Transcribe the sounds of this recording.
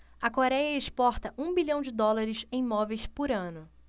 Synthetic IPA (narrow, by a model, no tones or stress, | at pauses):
ɐkoɾɛjɐeʃpɔɾt̪ɐʔũbiʎɐ̃w̃d͡ʒɪd̪ɔlaɾɪsẽj̃mɔvejspʊɾɐ̃nʊ